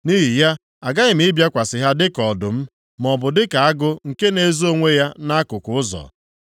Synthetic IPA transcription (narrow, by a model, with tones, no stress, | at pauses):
ni˦ɦi˨ja˦ | a˨ɡa˦ɪ˨m̩˦ɪ˦bja˦kʷa˨sɪ˨ɦa˦dɪ˦kɔ˨dʊ˨m̩˦ | mɔ˨bʊ˨dɪ˦ka˨a˦ɡʊ˦ŋ̩˨ke˦ne˦zo˦ŋʷe˦ja˦na˦kʊ˨kʊ˨˦ʊ˦zɔ̰˨